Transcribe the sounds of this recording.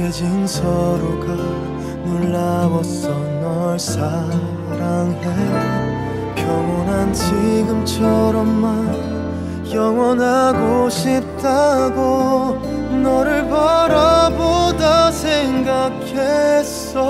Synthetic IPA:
ed͡ʑinsʰʌɾoɡa | nuɭːabʌsʌnʌɭsa | ɾaŋɦe | kjʌŋʌnant͡ɕiɡɯmt͡ɕʰʌɾʌmːa | jʌŋwʌnɦaɡoɕʰip̚taɡo | nʌɾɯɭbʌɾabodasʰeŋɡakʰes | ʌ

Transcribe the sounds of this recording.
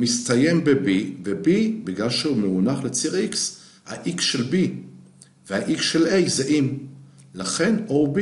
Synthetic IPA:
mistaje̞mbebivebibiɡlalʃeumeunaχlet͡siʁiks | ha̰ʔiksʃelbi | veaʔiksʃelejzeʔim | laχe̞nob

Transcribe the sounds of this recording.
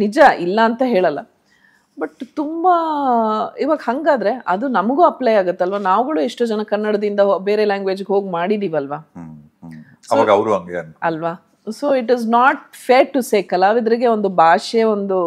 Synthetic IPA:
nid͡ʒɐʔilːɐːnt̪ɐɦe̞ːɭɐlːɐ̰ | bɐʈt̪umbɐ | iʋaːɡhɐŋɡaːd̪ɾe̞ʔɐd̪unɐmɐɡuːɐplɐjaːɡut̪ːeɐlʋanaːʋuɡɐɭueʂʈoːd͡ʒɐnɐkɐnːɐɽɐd̪ind̪ɐbe̞ːɾelaːŋɡʋeːd͡ʒɡɦo̞ːɡmaːɽid̪iːʋɐlʋaː | sɐʋaːɡɐɐʋɾuɐŋɡeɐnɐlʋaː | soːiʈiznaːʈ̚feːɾ̚ʈːuseːkɐlːaːɾid̪ɐɾiɡe̞o̞nd̪ubʱaːʃeo̞nd̪u

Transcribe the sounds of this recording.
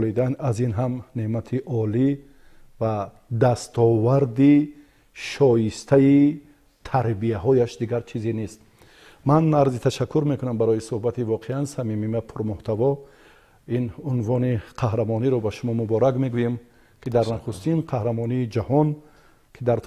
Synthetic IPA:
lid̪anazinɦamneʔmat̪ʰiʔɔli | va | d̪ast̪ʰɔvaɾd̪i | ʃɔjist̪ʰai | t̪ʰaɾbiaɦɔjaʃd̪iɡaɾt͡ʃʰizene̞st̪̚ | manːaɾzit̪ʰaʃakʰːuɾme̞kunambaɾɔjisuhbat̪ivɔqʰeansamimimapʰuɾmuht̪ʰavɔ | inunvɔniqʰahɾamɔniɾɔbaʃumɔmubɔɾakme̞ɡujem | kʰid̪aɾnaχust̪inqʰahɾamɔniːd͡ʒahɔn | kʰid̪aɾt̪ʰ

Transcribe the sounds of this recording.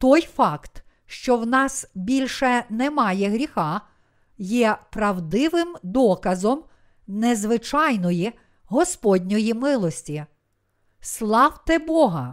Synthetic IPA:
t̪ɔjfɑkt̪ | ʃt͡ʃɔwnɑsbʲilʲʃɛnɛmɑjɛɦɾʲixɑ | jɛpɾɐwd̪ɪʋɪmd̪ɔkɐzɔm | nezʋɪt͡ʃɑjnɔji | ɦɔspɔdʲnʲɔjimɪlˠɔsʲtʲi | slˠɑwt̪ɛbɔɦɐ

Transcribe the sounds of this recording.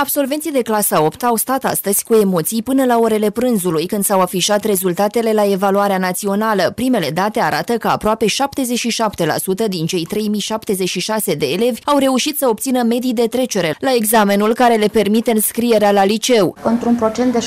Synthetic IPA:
abso̞lve̞nt̪sijd̪e̞klasao̞pt̪awst̪at̪a̰st̪əz̥ʲkue̞mo̞t̪sijpɨnəlao̞ɾe̞le̞pɾɨnzulujkɨnd̪sawafiʃat̪re̞zult̪at̪e̞le̞lae̞valuaɾeanat̪sio̞naləpɾime̞le̞d̪at̪e̞aɾʔat̪əkəa̰pɾoape̞ʃap̚t̪e̞zeʃiʃapt̪e̞la̰sut̪əd̪int͡ʃe̞jt̪ɾe̞jmiʃap̚t̪e̞ze̞ʃiʃase̞d̪e̞ːle̞vʲawre̞uʃit̪səo̞b̚t̪sinəme̞d̪ijd̪e̞t̪ɾe̞t͡ʃe̞ɾe̞lae̞ɡzame̞nulkaɾe̞le̞pe̞rmit̪eɨnskɾije̞ɾealalit͡ʃe̞wɨnt̪ɾunpɾo̞t͡ʃe̞nt̪d̪e

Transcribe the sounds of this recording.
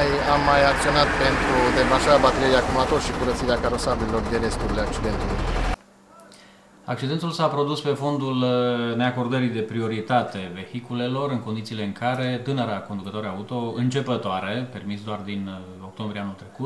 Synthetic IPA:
jamːajak̚t̪sio̞nat̪̚pe̞nt̪ɾud̪emanʃaɾabat̪eɾieakumat̪orʃikuɾət̪siɾeakaɾo̞sabililo̞rd̪eɾe̞st̪uɾileak̚t͡ʃid̪e̞nt̪ulṵj | ak̚t͡ʃid̪e̞nt̪ulsapɾo̞d̪uspe̞fo̞nd̪ulne̞ako̞rd̪əɾid̪e̞pɾio̞ɾit̪at̪e̞ve̞hikule̞lo̞ɾɨnko̞nd̪it̪siːle̞ɨŋkʰaɾe̞t̪ɨnəɾako̞nd̪ukət̪o̞ɾaut̪o̞ɨnt͡ʃe̞pət̪oaɾe̞pe̞rmisd̪oard̪in | o̞k̚t̪o̞mbɾieanult̪ɾe̞kut̪

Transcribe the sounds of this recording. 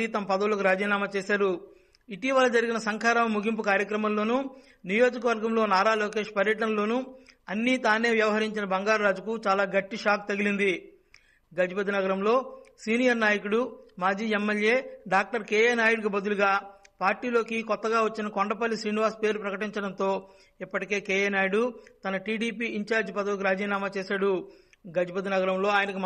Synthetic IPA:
it̪ɐmɐpɐd̪ɐwulɐkuɾaːd͡ʒiːnaːmaːt͡ʃeːʃaːɾu | iʈiʋɐlːɐd͡ʒɐɾiɡinɐsɐŋkʰaːɾɐmmuɡʱimp̬ukaːɾjɐkɾɐmɐmlo̞ːnu | nijo̞ːd͡ʒɐkɐʋɐɾɡɐmlo̞ːnaːɾaːlo̞ːke̞ːʃpɐɾjɐʈɐnɐlo̞ːnuɐnːit̪aːne̞ːʋjɐʋɐɦɐɾiɲt͡ʃinɐbɐŋɡaːɾɾaːd͡ʒukut͡ʃaːlaːɡɐʈːiʂaːk̚t̪ɐɡilind̪i | ɡɐd͡ʒipɐd̪inɐɡɐɾɐmlo̞ːsiːnijɐɾnaːjɐkuɽumaːd͡ʒiːemːelje̞ːɖaːk̚ʈɐɾkeːjeːnaːjuɽɡɐbɐd̪uluɡaːpaːɾʈiːlo̞ːkikɔt̪ːɐɡaːʋɐt͡ʃːinɐkoɳɖɐpɐlːisɾiːniʋaːspe̞ːɾupɾɐkɐʈiɲt͡ʃɐɽɐnt̪o̞ː | ipːɐʈike̞ːkeːjeːnaːjɽut̪ɐnɐʈiːɽiːpiːiɲt͡ʃaːɾd͡ʒpɐd̪ɐʋkuɾaːd͡ʒiːnaːmaːt͡ʃeːsaːɽu | ɡɐd͡ʒipɐd̪inɐɡɐɾɐmlo̞ːaːjɐnɐku

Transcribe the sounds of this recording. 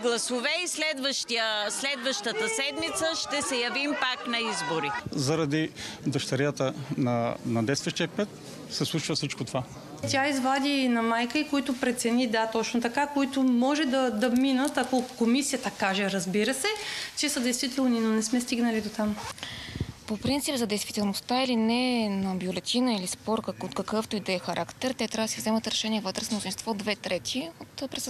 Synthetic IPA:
ɡlˠɐsovɛislɛd̪vəʃt̪iəslɛd̪vəʃt̪ət̪əsɛd̪mit̪səʃt̪ɛsɛjɐvimpaknɐizboɾizɐɾɐd̪id̪ɐʃt̪ɐɾjat̪ənɐnɐd̪ɛjst̪vəʃt̪ijək̚pɛt̪ | sɛslˠut͡ʃvəsit͡ʃkot̪ova | t̪ʲaizvad̪ʲinɐmajkəikoit̪ʊpɾɛt̪sɛnid̪at̪ɔt͡ʃnot̪ɐkakoit̪ʊmɔʒɛd̪ɐd̪ɐminət̪ɐkokomisijət̪əkaʒɛɾɐzbiɾəsɛt͡ʃɛsəd̪ɛjst̪vit̪ɛlˠninonɛsmɛst̪iɡnəlid̪ot̪am | popɾint̪sipzɐd̪ɛjst̪vit̪ɛlˠnost̪ailinɛnɐbjolɛt̪ʲʰinəilispɔɾkot̪kɐkɤft̪oid̪ɛːxɐɾʔakt̪ɛɾt̪ɛt̪ɾʲavəd̪sivzɛmət̪ɾɛʃɛnʲiɛvɤt̪ɾɛsmlˠʊzinst̪vɔd̪vɛt̪ɾɛt̪ʰiot̪pɾɛs

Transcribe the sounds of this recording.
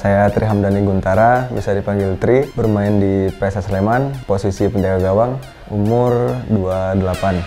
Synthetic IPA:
sajat̪ɾiɦamdaniɡunt̪aɾabisadipaŋɡɪlt̪ɾibərmaɪndipɾesaslemanposisipəɲd͡ʒaɡaɡawaŋ | umʊrduadəlapan

